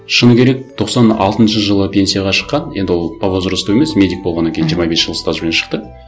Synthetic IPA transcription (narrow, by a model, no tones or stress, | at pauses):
ʃənəkʲeɾe̞k̚t̪ʰo̞qsɑnɑ̰lˠt̪ənʃəʒəlˠəpʰʲe̞nsijaʁɑʃə̥qːɑnje̞nd̪ɪwo̞lˠpʰavozɾəst̪uwe̞me̞smʲe̞d̪ʲik̚bolˠʁɑnɑaŋʲkʲejnʒiɾmɑbesʒəlˠəst̪aʒpenʃə̥qt̪ə